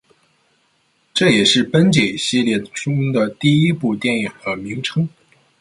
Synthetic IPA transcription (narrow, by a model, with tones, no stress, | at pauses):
ʈ͡ʂɤ˥˩jɛ˨˩ʂɻ̩˥˩pə˥nt͡ɕje˨˩ɕi˥˧ljɛ˥˩ʈ͡ʂʊ˥ŋd̪ə˨t̪i˥˩i˥pu˥˧t̪jɛ˥˩nji˨˩ŋxɤ˧˥mi˧˥ŋʈ͡ʂʰɤ˥ŋ